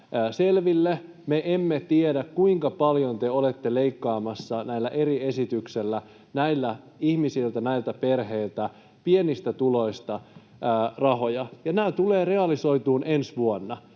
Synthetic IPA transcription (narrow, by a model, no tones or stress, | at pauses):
selʋilːe | meʔemːet̪iedækkuiŋkɑpɑljont̪eolet̪ːeleikːɑːmɑsːɑnæilːæʔeɾie̞sit̪ykselːæ | næilːæ | ihmisilt̪ænæilt̪æperɦeilt̪æ | pienist̪æt̪ulo̞ist̪ɑː | rɑɦo̞jɑjɑnæːt̪uleːre̞ɑliso̞it̪uːnʔensʋuonːɑ